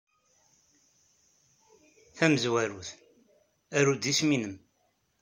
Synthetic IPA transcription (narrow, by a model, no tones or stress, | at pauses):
θæməzwæɾuθ | æɾud̪isminəm